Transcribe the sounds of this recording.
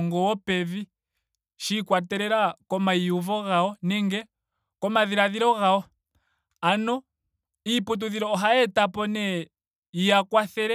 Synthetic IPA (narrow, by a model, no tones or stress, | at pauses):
ŋɡɔwɔpɛði | ʃikwatɛɾɛɾakɔmaiuvɔɣaɔnɛŋɡɛ | kɔmaðiɾaðiɾɔɣaɔ | anɔ | iput̬uðiɾɔɦaɛtapɔnɛ | ijakwaθɛɾɛ